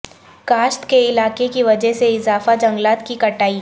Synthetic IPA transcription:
kaːʃt̪keɪlaːkekiʋɐd͡ʒɛɦseɪzaːfad͡ʒɐ̃ŋɡlaːt̪kikɐʈaːiː

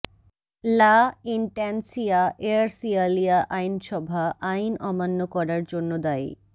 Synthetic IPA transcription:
laiɳʈɛnsiaʔeaɾsialiaʔajnʃɔbʱaʔajnɔmanːokɔɾaɾd͡ʑonːod̪aj

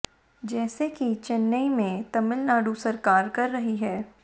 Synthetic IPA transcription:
d͡ʒɛːsekit͡ʃɐnːəimẽt̪ɐmɪlnaːɖusɐɾkaːɾkɐɾːɐɦiɦɛː

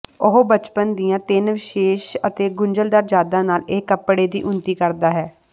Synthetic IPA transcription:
ʊɦoːbət͡ʃpənd̪ijãːt̪ɪnʋɪʃeːʃət̪eːɡʊɲd͡ʒəld̪aːɾd͡ʒaːd̪ãːnaːleːkəpɽeːd̪ḭːʔʊnt̪iːkəɾd̪aːɦɛː

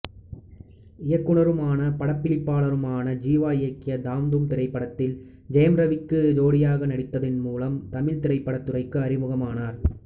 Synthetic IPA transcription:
ɪjɐkːɯɳɐɾɯmaːnɐpɐɽɐpːɪɭɪpːaːɭɐɾɯmaːnɐd͡ʒiːʋaːɪjɐkːɪjɐd̪aːmd̪ɯmt̪ɪɾɐɪpːɐɽɐt̪ːɪl | d͡ʒɐjɐmɾɐʋɪkːɯd͡ʒoːɽɪjaːɣɐnɐɽɪt̪ːɐðɪnmuːlɐmt̪ɐmɪlt̪ɪɾɐɪpːɐɽɐt̪ːɯrɐɪkːɯɐɾɪmʊɣɐmaːnaːɾ

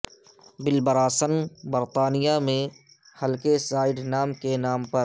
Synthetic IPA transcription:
bɪlbəɾaːsənbəɾt̪aːnɪjamẽ | həlkesaːɪɖnaːmkenaːmpəɾ

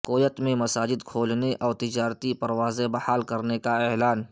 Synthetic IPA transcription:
koːjət̪mẽmɐsaːd͡ʒɪd̪kʰoːlneʔɔːɾt̪ɪd͡ʒaːɾt̪ipɐɾwaːzebɐhaːlkɐɾnekaɛːlaːn

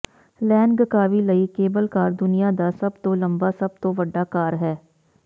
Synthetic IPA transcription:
lɛːnɡəkaːʋiləiːkeːbəlkaːɾd̪ʊnɪjaːd̪aːsɐbt̪õːlə̃mbaːsəb̚t̪õːʋəɖːaːkaːɾɦɛː

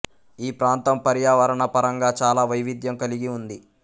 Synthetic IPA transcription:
iːpɾaːnt̪ɐmpɐɾjaːʋɐɾɐɳɐpɐɾɐŋɡaːt͡ʃaːlaːʋɐjʋid̪jɐmkɐliɡiund̪i

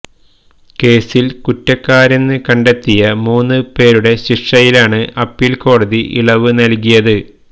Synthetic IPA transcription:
ke̞ːsilkutːɐkːaːɾɐnːɨkɐɳɖet̪ːijɐmuːnːɨpe̞ːɾuɽe̞ɕiʂɐjilaːɳɨʔɐpːiːlko̞ːɽɐðiʔḭɭɐʋɨnɐlkijɐðɨ

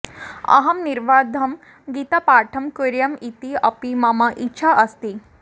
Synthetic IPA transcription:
ɐ̰ɦɐmniɾʋaːd̪ʱɐm | ɡit̪apaːʈʰɐmkuɾjɐmit̪iɐpimɐmɐʔitːɕʰaʔɐst̪i

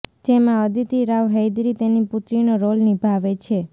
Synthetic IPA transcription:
d͡ʒemãəd̪it̪iɾaʋɦəjd̪ɾit̪eniput̪ɾinoɾolnibʱaʋet͡ʃʰe

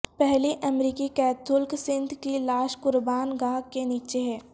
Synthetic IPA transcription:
pɛɦliʔɐmɾiːkikɛːt̪ʰʊlksɪ̃nd̪ʱkilaːʃkʊɾbaːnɡãːɡkeniːt͡ʃeɦɛː

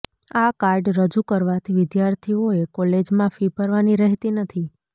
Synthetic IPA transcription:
akaɾɖɾəd͡ʒukəɾʋat̪ʰiʋɪd̪jaɾt̪ʰioekɔled͡ʒmãfipəɾʋaniɾəɦt̪inət̪ʰi

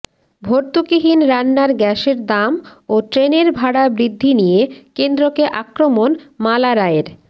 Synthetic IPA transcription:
bʱoɾt̪ukiɦinɾanːaɾɡɛʃeɾd̪amoʈɾeneɾbʱaɽabɾid̪ʱːinijekend̪ɾokeʔakɾomonmalaɾaeɾ

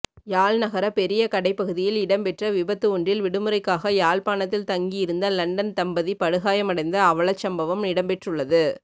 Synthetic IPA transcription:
jaːlnɐɣɐɾɐpɛɾɪjɐkɐɽɐɪpːɐɣɯðɪjɪlɪɽɐmpɛʈrɐʋɪbɐt̪ːɯɔɳdrɪlʋɪɽɯmɯɾɐɪkːaːɣɐjaːlpaːnɐt̪ːɪlt̪ɐŋɡijɪɾɯnd̪ɐlɐɳɖɐnt̪ɐmbɐðipɐɽɯɣaːjɐmɐɽɐɪnd̪ɐːʋɐɭɐt͡ʃːɐmbɐʋɐmnɪɽɐmpɛʈrɯɭːɐðɯ

